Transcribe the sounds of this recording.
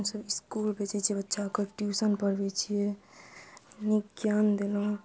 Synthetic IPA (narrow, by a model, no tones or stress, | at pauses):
msəbɪskulpet͡ʃɛt͡ʃʰiebətːʃakəʈjusənpəɾbet͡ʃʰije | nikjand̪elõ